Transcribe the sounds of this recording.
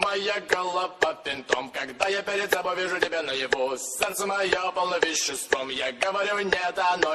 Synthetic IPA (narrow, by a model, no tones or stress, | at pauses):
mɐjaɡɐlˠɐpːɐfʲɪnʲt̪o̰mkɐɡd̪ajapʲeɾʲɪd̪zɐbɐvʲeʐʊtʲɪbʲanəjɪvosʲɛrt̪səmɐjopɐlˠnɐvʲɪɕːɪst̪vəmjaɡəvɐɾʲunʲɛt̪ɐno